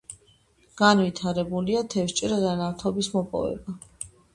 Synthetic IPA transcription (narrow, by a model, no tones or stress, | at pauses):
ɡ̥anvit̪ʰaɾɛbuliat̪ʰɛfʃt͡ʃʼɾɛzanaft̪ʰɔbismɔpʼɔ̰vɛ̰ba